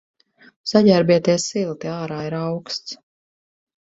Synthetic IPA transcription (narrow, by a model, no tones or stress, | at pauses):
saɟæɾbiɛt̪iɛsilˠt̪iaːɾaːiɾawkst̪s